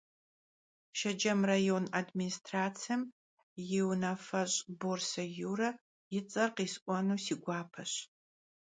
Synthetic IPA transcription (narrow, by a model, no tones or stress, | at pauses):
ʃɐd͡ʒɐmrajonadministʰraːt͡sʰjɐm | jɪwnafɐɕʼborsɐjuːɾɐ | jɪt͡sʼɐrqiːsʔʷɔnuːsiːɡʷaːpʰɐɕ